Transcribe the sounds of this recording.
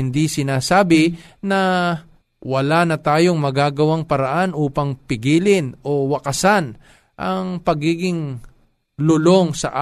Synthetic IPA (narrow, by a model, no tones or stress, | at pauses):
ɪnd̪isɪnaːsaːbɪnɐ | wɐlanɐt̪aːjo̞ŋmɐɡaːɡɐwaŋpɐɾɐʔanʔuːpɐŋpɪɡiːlɪnʔo̞wɐkɐsan | ʔɐŋpɐɡiːɡɪŋ | lʊlo̞ŋsɐ̰ʔa